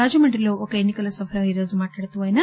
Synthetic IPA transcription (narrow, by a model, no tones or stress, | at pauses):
aːd͡ʒɐmɐɳʈɾilookɐenːikɐlɐsɐfʰɐɾɐiɾoːzumaːʈaːɽt̪ːuʋaːjnɐ